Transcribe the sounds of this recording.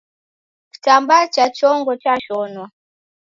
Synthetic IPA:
ki̥tambat͡ʃat͡ʃɔŋɡɔt͡ʃaʃɔnwa

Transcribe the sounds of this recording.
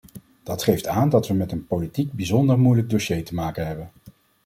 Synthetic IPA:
d̥ɑtχejftaːndɑtʋəmɛtənpolitiɡ̚bizɔndəɹmujləɡ̚doʃejtəmaːkənɦɛbən

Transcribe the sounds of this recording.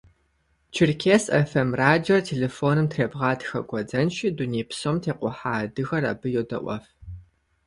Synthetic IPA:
t͡ʃʰɪrkʲʰeːsḛfɛmraːd͡ʒortʰeːleːfoːnɨmtʰreːbʁɑːtxɐ̰ɡʷʼɔd͡zɐnʃiduneːpsoːmtʰeːqʷʊħaːdɨxɐrɐ̰bɨjowdɐ̰ʔʷɔ̰f

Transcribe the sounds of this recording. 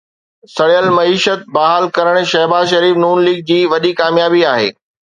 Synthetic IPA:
sɐɽjəlmɐiːʃət̪̚bɐɦaːlkɐɾəɽ̃ʃɐɦbaːzʃɐɾiːfnuːnliːɡ̚d͡ʑiːʋɐɗikaːmjaːbiaːɦḛː

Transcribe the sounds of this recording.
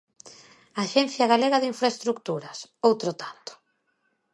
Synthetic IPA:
aʃɛn̟θjaɣaleɣaðiɱfɾaest̪ɾukt̪uɾɐsowt̪ɾot̪ant̪ʊ̥

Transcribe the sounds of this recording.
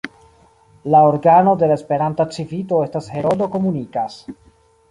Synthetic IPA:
laoɾɡano̞de̞laespe̞ɾantat͡sivito̞e̞stashe̞ɾodo̞ko̞munikas

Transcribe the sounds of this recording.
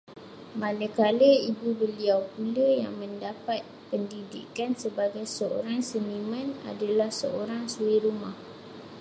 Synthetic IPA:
manəkaləibubəliawpuləja̰ŋmə̃ndapat̪̚pəndidḭkansəbaɡajsəo̰ɾaŋsənimə̃na̰dalahsəoɾaŋsuiɾumah

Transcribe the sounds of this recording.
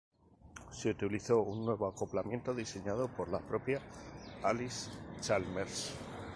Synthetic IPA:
seut̪iliθo̞unːwe̞β̞o̞ako̞plamjẽ̞nt̪o̞ðise̞ɲaðo̞po̞ɾlapɾo̞pjaalist͡ʃalmeɾs

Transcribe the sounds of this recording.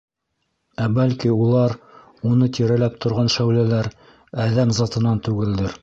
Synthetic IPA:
æbælkiulˠɑɾ | unɤt̪iɾælæp̚t̪ŏɾʁɑnʃæwlælæɾ | æðæmzɑt̪ɤ̆nɑnt̪ʉɡɘ̆ld̪ɘɾ

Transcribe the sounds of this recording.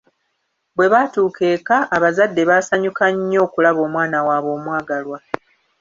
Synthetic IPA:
bwe̞βatuːkʰe̞ːkaʔːβazadːe̞βaːsaɲukaɲːo̞ːkulaβo̞ːmwaːnawaːβo̞ːmwaːɡalwa

